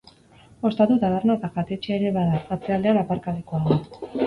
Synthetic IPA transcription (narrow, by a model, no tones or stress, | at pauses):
o̞st̪at̪ut̪aβernat̪aɣat̪e̞t͡ʃeeɾe̞βaðaat͡se̞ald̪e̞anapaɾkaleko̞aða